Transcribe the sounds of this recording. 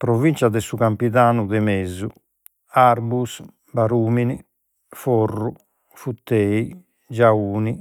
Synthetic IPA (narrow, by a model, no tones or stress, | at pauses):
pɾovint͡ʃad̪ɛsuɣampiðaːnuðɛmezu | aɾbus | baɾuːmini | fɔrːu | fut̪ːɛːi | d͡ʒauːni